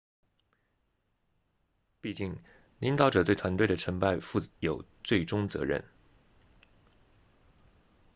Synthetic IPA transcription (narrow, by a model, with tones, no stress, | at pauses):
pi˥˧t͡ɕi˥˩ŋ | li˧˥ŋt̪ɑ˧˥ʊʈ͡ʂɤ˨˩t̪we˥˩ɪt̪ʰwa˧˥nt̪we˥˩ɪə˩ʈ͡ʂʰɤ˧˥ŋpa˥˧ɪfu˥˩jo˨˩ʊt͡swe˥˩ɪʈ͡ʂʊ˥ŋt͡sɤ̰˧˥ɻə̰˥˩n